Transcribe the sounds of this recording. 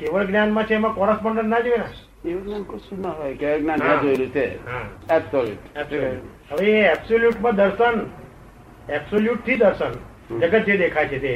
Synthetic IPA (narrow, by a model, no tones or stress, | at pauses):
keʋəɭɡnjanmãt͡ʃʰeemãkɔɾaspəɳɖənnãd͡ʒoenã | eʋəɡnankoʃũnaɦojkɡnãnjãd͡ʒoelũt͡ʃʰeɦãɛbsoljṵʈɛbsoluɦəʋeɛbsoljuʈmãd̪əɾʃən | ɛbsoljuʈ̚t̪ʰid̪əɾʃən | d͡ʒəɡət̪̚d͡ʒed̪ekʰajt͡ʃʰet̪e